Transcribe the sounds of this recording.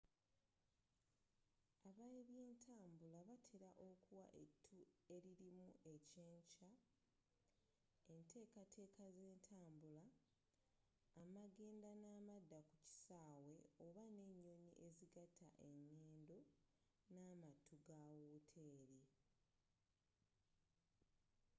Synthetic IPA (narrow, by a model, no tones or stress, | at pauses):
aβaeβje̞ːntʰaːmbulaβatʰeɾaʔo̞kuwa̰ʔetʰːue̞ɾiɾimṵʔe̞ce̞ːɲca | e̞ntʰe̞ːkatʰe̞ːkaze̞ːntʰaːmbula | maɡe̞ːndanaːmadːakuci̥saːwe̞oβane̞ɲːo̞ɲiʔe̞ziɡatʰa̰ʔe̞ɲːeːndo̞ | naːmatʰːuɡawuːtʰe̞ːɾi